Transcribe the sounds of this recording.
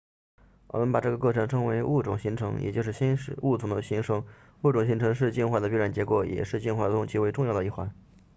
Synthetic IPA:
wɔ̰˨˩mə˦˥npa˨˩ʈ͡ʂɤ˥˩ɡə˩kɤ˥˩ʈ͡ʂʰɤ˧˥ŋʈ͡ʂʰɤ˧˥ŋwe˧˥ɪu˥˩ʈ͡ʂʊ˨˩ŋɕi˧˥ŋʈ͡ʂʰɤ˧˥ŋjɛ̰˨˩t͡ɕjo˥˧ʂɻ̩˥˩ɕi˥nʂu˥˩t͡sʰʊ˧˥ŋd̪ə˧ɕi˧˥ŋʂɤ˧˥ŋ | u˥˩ʈ͡ʂʊ˨˩ŋɕi˧˥ŋʈ͡ʂʰɤ˧˥ŋʂ̬ɻ̩˥˧t͡ɕi˥˧nxwa˥˩d̪ə˩p̬i˥ɻa˨˩nt͡ɕjɛ˧˥kwɔ˨˩jɛ̰˨˩ʂɻ̩˥˧t͡ɕi˥˧nxwa˥˩d̪ə˩ʊ˧˥ŋt͡ɕʰi˧˥we˥˧ɪʈ͡ʂʊ˥˧ŋjɑ˥˩ʊd̪ə˧˩i˥˩xwa˧˥n

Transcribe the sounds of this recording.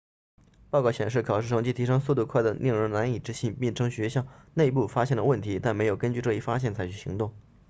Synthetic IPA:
pɑ˥˧ʊkɑ˥˩ʊɕjɛ˨˩nʂ̬ɻ̩˥˩kʰɑ˨˩ʊʂɻ̩˥˩ʂʰɤ˥ŋt͡ɕi˥˩t̪ʰi˧˥ʂɤ˥ŋsu˧t̪̬u˥˧kʰwa˥˩ɪd̪ə˩nʔi˥˧ŋɻə˧˥nna˧˥ni˨˩ʈ͡ʂɻ̩˧˥ɕi˥˩npi˥˩nʈ͡ʂʰɤ˥ŋɕɥɛ˧˥ɕjɑ˥˩ʊne˥˧ɪpu˥˩fa˥ɕjɛ˥˩nlə˩wə˥˩nt̪ʰi˧˥t̪a˥˩nme˧˥ɪjo˨˩ʊkə˥nt͡ɕy˥˧ʈ͡ʂɤ˥˧i˥˩fa˥ɕ̬jɛ˥˩nt͡sʰa˧˥ɪt͡ɕʰy˨˩ɕḭ˧˥ŋt̪ʊ˥˩ŋ

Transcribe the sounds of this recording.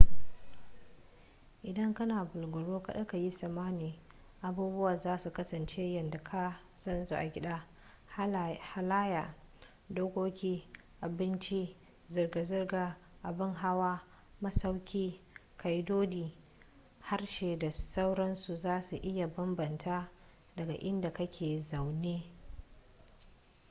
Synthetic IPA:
ʔɪ˨dɐ˦ŋkɐ˦naː˨bʊ˨lɡʷʊ˨ɽoː˦ka˨ɗɐ˦ka˨ji˦sɐ˨maː˦niː˨ | ʔa˨buː˦bʊ˦wa˨zaː˦su˨kɐ˦sɐ˨nt͡ʃe˦jɐ˨nda˨kʰa˦ | sɐ˦nsu˨ʔa˨ɡʲɪ˦ɗaː˦ | ha˦laː˦jaː˨ | doː˦kʷoː˦kʲiː˦ | ʔa˨bɪ˦nt͡ʃi˦ | zʊ˨rɡa˨zʊ˦rɡaː˨ | ʔa˨bɪ˦ŋɦa˦waː˦ | mɐ˦sa˦wkʲiː˦ | kʰa˨jdoː˦diː˨ | ha˦rʃeː˨da˨sa˦wɽɐ˦nsu˨zaː˦su˨ʔɪ˦ja˨bɐ˦mbɐ˨ntʰa˦ | dɐ˨ɡa̰˨ʔɪ˦nda˨kɐ˦kʲʰeː˨za˨wneː˦

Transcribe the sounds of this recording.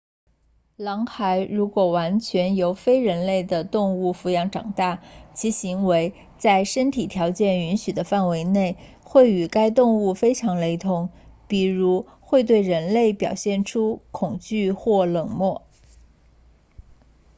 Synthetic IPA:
lɑ˧˥ŋxa˧˥ɪɻu˧˥kwɔ˨˩wa˧˥nt͡ɕʰɥɛ˧˥njo˧˥ʊfe˥ɪɻə˧˥nle˥˩ɪd̪ə˩t̪ʊ˥˧ŋu˥˩fu˧˥jɑ˧˥ŋʈ͡ʂɑ˨˩ŋt̪a˥˩t͡ɕʰi˧˥ɕi˧˥ŋwe˧˥ɪ | t͡sa˥˩ɪʂə˥nt̪ʰi˨˩t̪ʰjɑ˧˥ʊt͡ɕjɛ˥˩ny˧˥nɕy˨˩d̪ə˦fa˥˩nwe˧˥ɪne˥˩ɪ | xwe˥˩ɪy˨˩ka˥ɪt̪̬ʊ˥˧ŋu˥˩fe˥ɪʈ͡ʂʰɑ˧˥ŋle˧˥ɪt̪ʰʊ˧˥ŋpi˨˩ɻu˧˥ | xwe˥˧ɪt̪̬we˥˩ɪɻə˧˥nle˥˩ɪpjɑ˨˩ʊɕjɛ˥˩nʈ͡ʂʰu˥kʰʊ˨˩ŋt͡ɕy˥˧xwɔ˥˩lɤ˨˩ŋmwɔ˥˩

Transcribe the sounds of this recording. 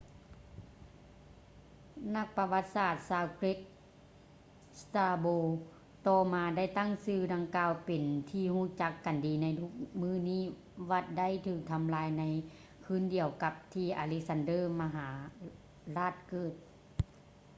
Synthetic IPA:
na˧˥k̚pa˧ʋa˧˥t̪̚saː˧˩t̪̚saː˧wke˦˥k̚ | st̪aː˧boː˧ | t̪ɔː˧˩maː˧da˥˩jt̪a˥˨ŋsɯː˧˩da˧ŋkaː˧wpe˨˩nt̪ʰiː˧˨huː˧˥˩t͡ɕa˧˦kːa˨˩ndiː˨na˧jt̪ʰu˧˥k̚mɯː˧˥˩niː˥˩˨ | ʋa˧˥t̪̚da˥˨jt̪ʰɯː˧˩k̚t̪ʰa˧mlaː˧˥jna˧˥j | kʰɯː˧˥˨ndi˨˧əwka˧p̚t̪ʰiː˧˩ʔa̰ː˧le˧˥k̚sa˧ndɤː˧˥˨ma˧ɦaː˩˦ | laː˥˩t̪̚kɤː˧˩t̪̚

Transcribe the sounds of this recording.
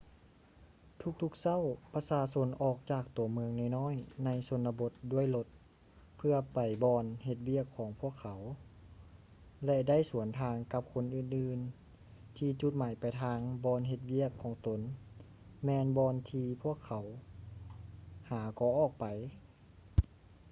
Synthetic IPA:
t̪ʰu˧˥k̚t̪ʰu˧k̚sa˥˨wpa˧saː˧so˧˥nʔɔː˨˩k̚t͡ɕaː˧˩k̚t̪u˨˩˦əmɯ˧əŋnɔ˧˩jnɔː˧˥˨jna˧˥jso˧˦nla˧bo˧˦t̪̚du˧˥˩əjlo˧t̪̚ | pʰɯ˧ɐpa˨˩jbɔː˧nhe˧t̪̚wi˥˩˨əkʰːɔː˨˩˦ŋpʰu˧˥˩əkʰːa˨˦w | lɛ˧da˥˩jsu˩˦ənt̪ʰaː˧ŋka˧˥p̚kʰo˧˥nʔɯː˧˩nʔɯː˧˩n | t̪ʰiː˧t͡ɕu˧t̪̚maː˨˩˦jpa˨˩jt̪ʰaː˧ŋbɔː˧nɦe˧t̪̚wi˥˩əkʰːɔː˨˦ŋt̪o˨˦n | mɛː˧nbɔː˧nt̪ʰiː˧pʰu˥˩əkʰːa˨˩˦w | haː˨˩˦kɔː˧˩ʔɔː˧˩k̚pa˨˩j

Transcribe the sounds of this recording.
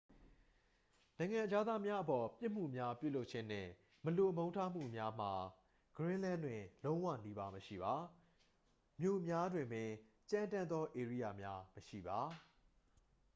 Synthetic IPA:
nã˨ɪ̃ŋã˨d͡ʑa˦d̪ða˦mja˦ʔəpɔ˨pjɪ˦ʔm̥ṵ˦˨mja˦pjṵ˦˨lo˦ʊʔ̚t͡ɕʰɪ̃˦n̥ɪ̰̃˦˨ | məlo˨ʔəmõ˦ʊ̃ntʰa˦m̥ṵ˦˨mja˦m̥a˨ | ɡ̥əɹɪ̃˦lã˦ndwɪ̃˨lõ˦ʊ̃wa̰˦˨ni˦ba˦məʃḭ˦˨ba˨ | mjo̰˦˨mja˦dwɪ̃˨mbɪ̃˨ | t͡ɕã˦ntã˦nd̪ðɔ˦ʔe˨ɹi˦˨ja˨mja˦məʃḭ˦˨ba˨˦

